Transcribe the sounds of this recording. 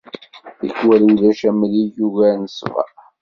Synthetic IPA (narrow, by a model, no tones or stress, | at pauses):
θḭkwæliðæʃæmlijuɣænəsvæ̰